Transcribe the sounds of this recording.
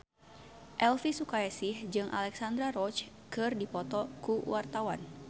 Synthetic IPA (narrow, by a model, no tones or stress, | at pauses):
ʔɛlfisukaasɪhd͡ʒɨŋʔa̰lɛksand̪ɾaɾɔt͡ʃ | kɨrdipɔt̪ɔkuwart̪awan